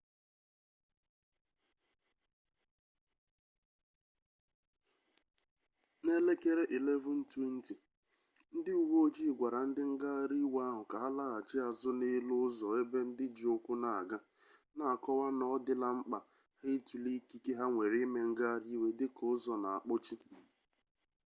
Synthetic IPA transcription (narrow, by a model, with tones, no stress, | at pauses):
ne˦le˦ke˦ɾe˦ʔi˨le˦vu˦n̩˦te˦n̩˦ti˨ | n̩˦dɪ˦u˨wo˦d͡ʒi˦˨ɡʷa˨ɾa˨n̩˦dɪ˦ŋ̩˦ɡa˦ɾi˦wa˦ɦʊ˨ka˨a˦la˦ɣa˨t͡ʃɪ˦a˨zʊ˦ne˦lʊ˦ʊ˦zɔ˨e˦be˦n̩˦dɪ˦d͡ʒo˦kʷʊ˦na˨a˨ɡa˦ | na˦˨a˨kɔ˦wa˦nɔ˦dɪ˦la˨ŋ͡m̩˦k͡pa˨ | hɪ˦tu˨li˦ki˦ke˦ɦa˦ŋʷe˨ɾi˦me˦ŋ̩˦ɡa˦a˦˨ɾi˦we˨dɪ˦kʊ˦ʊ˦zɔ˨na˨a˨k͡pʊ˦t͡ʃi˦